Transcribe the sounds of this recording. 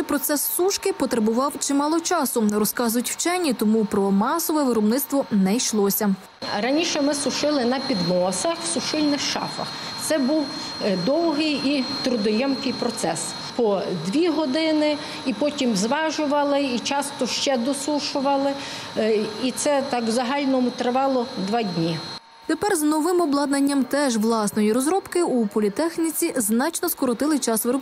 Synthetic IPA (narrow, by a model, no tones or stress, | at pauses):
pɾɔt̪sɛsːuʃkɪpɔt̪ɾɐbʊʋɑwt͡ʃɪmɑlˠɔt͡ʃɑsʊrɔskɑzʊjʊtʲwt͡ʃɛnʲːit̪ɔmupɾɔmɑsɔʋɛʋɪɾɔbnɪt̪st̪ʋɔnɛjʃlˠɔsʲɐ | ɾɐnʲiʃɛmɪsʊʃɪlˠɪnɐpʲid̪mɔsɐxwsʊʃɪlʲnɪxʃɑ̰fɐ̰x | t̪sɛbuw | d̪ɔwɦɪjit̪ɾʊd̪ɔjɛmkɪjpɾɔt̪sɛs | pɔd̪ʋʲiɦɔd̪ɪnɪ | ipɔtʲimzʋɑʒʊʋɐlˠɪit͡ʃɑst̪ɔʃt͡ʃɛd̪ɔsuʃʊʋɐlˠɪ | it̪sɛt̪ɑkzɐɦɑlʲnɔmʊt̪ɾɪʋɑlˠɔd̪ʋɑdʲnʲi | t̪epɛrznɔʋɪmɔblˠɑd̪nɐnʲːɐmt̪ɛʒʋlˠɑsnɔjiɾɔzɾɔpkɪupɔlʲit̪ɛxnʲit͡sʲiznɑt͡ʃnɔskɔɾɔt̪ɪlˠɪt͡ʃɑsʋɪɾɔ